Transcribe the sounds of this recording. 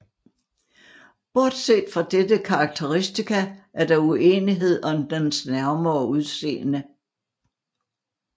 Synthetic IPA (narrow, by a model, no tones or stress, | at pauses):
b̥ɒd̥se̝̰ːd̥fʁɑ̈d̥ed̥əkʰɑ̈ːɡ̥̚t͡sʰeʁisd̥ikʰæʔæɐd̥ɑ̈ue̝ːniɦe̝ð̞̰ˠɒ̽md̥ensnæɐmɐɒuðˠse̝̰ːnə